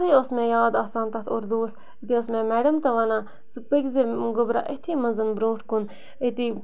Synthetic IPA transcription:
ɐjosmẽːjaːd̪aːsaːnt̪ɐt̪ʰoːɾd̪oːst̪ | it̪iosmẽːmɛːɖɐmt̪ɐʋaːnaː | t͡sɨpɐkzeɡʊbɾa̰ʔet̪ʰimɐnzɐnbɾõːʈʰkun | et̪i

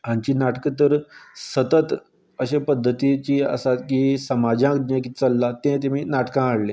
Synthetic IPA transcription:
ɦãɲt͡ɕiːnaʈkət̪̬əɾsət̪ət̪ | əɕepəd̪ʱːət̪it͡ɕiːə̰sat̪kisəmad͡ʑãd̪nãkit͡səlːat̪ẽt̪̬em̤iːnaʈkãəɽ̤le

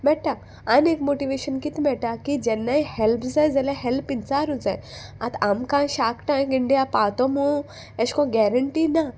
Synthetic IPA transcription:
bɛʈa | anekmoʈiʋeɕənkit̪mɛʈakid͡ʑɛnːajhɛlpd͡zajd͡zɛlaɦɛlpint͡saːɾud͡zajat̪ʰamkãɕakʈãkiɳɖijapat̪ɔmu | ɛɕkɔ̃ɡɛɾəɳʈina

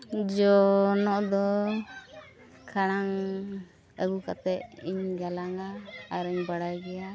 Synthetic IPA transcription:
d͡ʒɔnɔʔd̪ɔ | kʰaɽ̃aŋ | əɡukat̪ɛʔiɲɡalaŋaːɾiɲbaɽajɡɛja

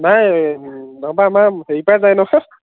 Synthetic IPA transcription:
naj | nɔbamaheipazajnɔ

